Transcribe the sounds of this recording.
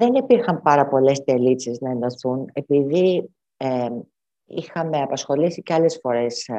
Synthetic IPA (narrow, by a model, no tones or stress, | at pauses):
ðe̞nipiɾxɐmpɐɾɐpo̞le̞st̪e̞lisiznɐe̞nd̪ɐθune̞piði | e | ixɐme̞ɐpɐsxo̞lisiceɐle̞sfo̞ɾe̞s